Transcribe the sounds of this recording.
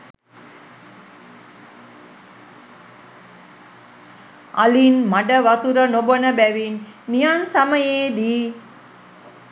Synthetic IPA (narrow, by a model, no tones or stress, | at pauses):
a̰linmaɖəʋat̪uɾənobənəbæʋinːijansaməjeːd̪iː